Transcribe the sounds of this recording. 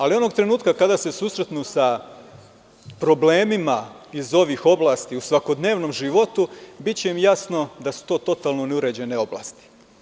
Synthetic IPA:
alio̞no̞ɡt̪ɾe̞nuːt̪kakad̪ase̞suːsɾe̞t̪nusa | pɾo̞ble̞ːmima | izo̞ʋixo̞blˠaːst̪iusʋako̞d̪ne̞ːʋno̞mʒiʋo̞t̪ubitt͡ɕeimjasno̞d̪asu̥t̪o̞ːt̪o̞t̪alnoneuɾe̞d͡ʑe̞ne̞o̞blˠa̰ːst̪i̥

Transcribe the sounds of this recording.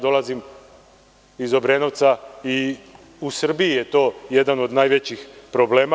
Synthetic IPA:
d̪o̞lˠazim | izo̞bɾeno̞ʋt̪sai | usr̩biijet̪o̞ːje̞d̪ano̞d̪naːjʋet͡ɕixpɾoble̞ːma

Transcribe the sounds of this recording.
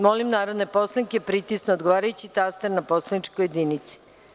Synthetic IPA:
molimnaːɾod̪neposlˠanikepɾit̪isnoːd̪ɡoʋaːɾajut͡ɕit̪ast̪eɾnaposlanit͡ʃkojed̪init̪si̥

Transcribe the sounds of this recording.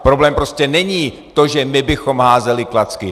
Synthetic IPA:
pɾoblɛːmpɾoscɛnɛɲiː | t̪o̞ʒɛmɪbɪxo̞mɦaːzɛlɪklat͡skɪ

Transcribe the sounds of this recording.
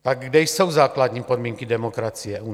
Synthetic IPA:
t̪aɡɡdɛjso̞wzaːkladɲiːpodmiːŋkidɛmokɾat͡sijɛu

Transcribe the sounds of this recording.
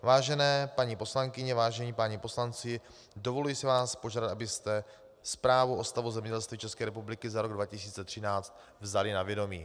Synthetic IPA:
vaːʒɛnɛːpaɲipo̞slaŋkɪɲɛvaːʒɛɲiːpaɲipo̞slant͡sɪ | do̞vo̞lujɪsɪvaːspo̞ʒaːdat̪ʔabɪst̪ɛ | spɾaːvuʔo̞st̪avuzɛmɲɛɟɛlst̪viːt͡ʃɛskɛːɾɛpublɪkɪzaɾo̞ɡdvacɪsiːt͡sɛt̪r̝̥ɪnaːt͡st̪ | vzalɪnavjɛdo̞miː

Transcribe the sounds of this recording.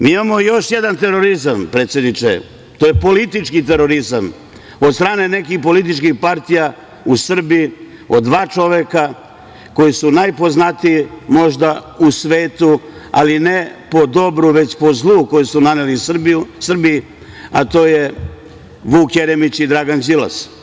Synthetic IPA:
miːimamo̞jo̞ʃjed̪ant̪eɾo̞ɾizampɾet̪sʲje̞d̪nit͡ʃḛ | t̪oːjepo̞lit̪it͡ʃkit̪̬eɾo̞ɾizam | od̪st̪ɾaːne̞ne̞kixpo̞lit̪it͡ʃkixpaɾt̪ija | usr̩bii | o̞d̪ʋaːt͡ʃo̞ʋeka | ko̞jisunajpo̞znat̪ijimo̞ʒd̪ausʋeːt̪ualinepo̞d̪o̞bɾuʋe̞t͡ɕpo̞zlˠuko̞jusunanelisr̩biji | at̪o̞ːje | ʋuːkjeɾemit͡ɕid̪ɾaɡanzila̰s

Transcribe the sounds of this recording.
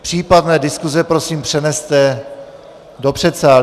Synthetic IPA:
pr̥iːpadnɛːdɪskuzɛpɾo̞siːmpr̥ɛnɛst̪ɛ | do̞pr̝̥ɛt̪saːl

